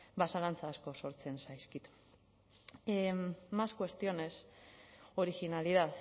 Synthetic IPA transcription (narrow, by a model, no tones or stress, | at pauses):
basalant͡saːsko̞so̞ɾt͡se̞nsajskit̪ | maskwe̞st̪io̞ne̞s | o̞ɾiɣinaliðað